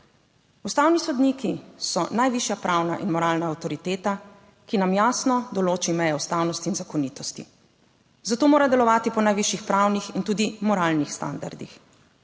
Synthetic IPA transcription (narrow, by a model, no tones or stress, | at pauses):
ust̪awnisɔd̪niːkisɔnajʋiʃjapɾawna̰ʔinmɔɾaːlnaawt̪ɔɾit̪eːt̪a | kinamjaːsnɔd̪ɔloːt͡ʃimɛjɛust̪awnɔst̪iːnzakɔnit̪ɔst̪ḭ | zat̪oːmoːɾad̪ɛlɔʋaːt̪ipɔnajʋiʃjixpɾawnixint̪uːd̪imɔɾaːlnixst̪a̰nd̪a̰ɾd̪ḭx